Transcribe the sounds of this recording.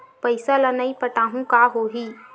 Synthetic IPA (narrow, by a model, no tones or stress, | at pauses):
pəɪsalɐnaipəʈaːɦũkaɦoːɦiː